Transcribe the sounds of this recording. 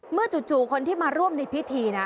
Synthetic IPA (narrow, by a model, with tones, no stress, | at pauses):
mɯ˥˩ɐt͡ɕu˨˩t̪̚t͡ɕuː˨˩kʰo˧nt̪ʰiː˥˩maː˧ɾu˥˩əmna˧jpʰi˦˥t̪ʰiː˧na˦˥